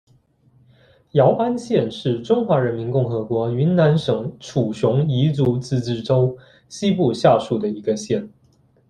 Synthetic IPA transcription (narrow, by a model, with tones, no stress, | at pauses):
jɑ˧˥ʊʔa˥nɕjɛ˥˨nʂɻ̩˥˩ʈ͡ʂʊ˥ŋxwa˧˥ɻə˧˥nmi˧˥nkʊ˥˩ŋxɤ˧˥kwɔ˧˥y˧˥nna˧˥nʂɤ˨˩ŋʈ͡ʂʰu˨˩ɕjʊ˧˥ŋi˧˥t͡su˧˥t͡sɹ̩˥˧t͡sɻ̩˥˩ʈ͡ʂo˥ʊ | ɕi˥pu˥˧ɕja˥˧ʂu˥˩d̪ə˩i˧˥ɡə˧ɕjɛ˥˩n